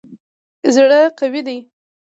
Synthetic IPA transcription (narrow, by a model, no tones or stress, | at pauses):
zɽəqawid̪aj